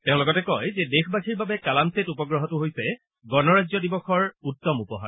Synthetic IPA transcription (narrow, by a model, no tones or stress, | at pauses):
tɛʊ̃lʊkɔtɛkɔjzɛdexʰbakʰiɹbabɛkalamsetupɔɡɹɔɦɔtʊɦojsɛ | ɡɔnɔɹazjɔdibɔxʰɔɹutːɔmupɔɦa̰ɹ